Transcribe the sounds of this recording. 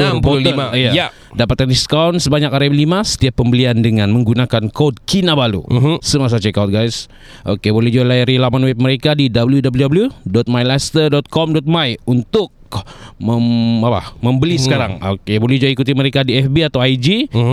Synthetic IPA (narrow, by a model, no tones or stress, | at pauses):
ampoliaijaja | dapat̪̚kandiskawnsəbaɲakaɾɛblimasə̥t̪iapːəmbəliandəŋanməŋɡunakankod̚kinabalṵsəmas̬at͡ʃɛkawt̪̚ɡajs | ʔokebolɛhd͡ʒualaɾilamanwɛb̚məɾekadidabəljudabəljudabəljudɔt̪̚majlast̪ədɔt̪̚kɔmdɔt̪̚majunt̪ʊk̚məapa̰məmbəlisəkaɾaŋokebolɛhd͡ʒuaikut̪iməɾekadiɛfbiat̪awajd͡ʒi